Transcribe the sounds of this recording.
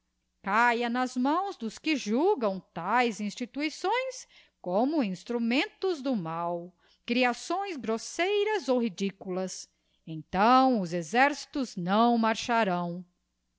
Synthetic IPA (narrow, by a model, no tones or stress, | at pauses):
kajɐnɐzmɐ̃w̃zd̪ʊskɪʒuɡɐ̃w̃t̪ajzĩst͡ʃit̪uisõj̃s | kõmʊĩst̪ɾumẽnt̪ʊzd̪ʊmaw | kɾiasõj̃zɡɾosejɾɐzowɦid͡ʒikulɐs | ẽt̪ɐ̃w̃ʊzezɛɾsi̥t̪ʊznɐ̃w̃maɾʃaɾɐ̃w̃